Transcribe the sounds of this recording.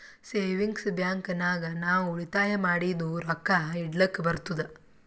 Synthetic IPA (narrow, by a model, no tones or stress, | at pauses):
seːʋiŋɡsbjaːŋknaːɡɐnaːʋuuɭit̪aːjɐmaːɽid̪uɾɐkːaiɽlɐkːbɐɾt̪ud̪e